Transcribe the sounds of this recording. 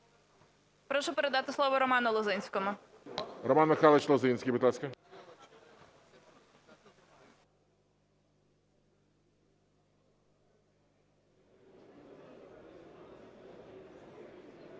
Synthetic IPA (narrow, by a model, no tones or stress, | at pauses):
pɾɔʃʊpeɾed̪ɑt̪ɪslˠɔʋɔɾɔmɑnɐlˠɔzɪnʲsʲkɔmʊ | rɔmɑnmɪxɑlˠɪt͡ʃlˠɔzɪnʲsʲkʲijbɨd̪lˠasʲkɐ